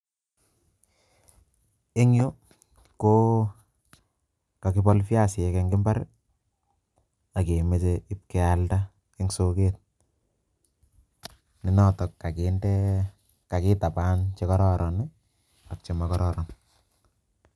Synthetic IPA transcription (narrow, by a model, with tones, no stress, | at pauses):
e˦ŋjo˦ | ko˦ | ka˨kɪ˦bɔ˦lfja˦˨sɪ˨ɛ˨ke˨ŋɡɪ˦mba˦ɾ | a˨ke˨me˨seɪ˦p̚kɛ˨a˨lta˦ | kɪ˦ŋso˦keːt̚ | nɪ˨nɔ˦tɔ˨kːa˨ke˨ndɛ˦ | ka˨kɪ˦ta˨pa˦nt͡ʃe˦kɔ˦ɾɔ˦ɾʔɔ˨nɪ˦ | a˨k̚t͡ʃe˨ma˦kɔ˦ɾɔ˦ɾɔ˨n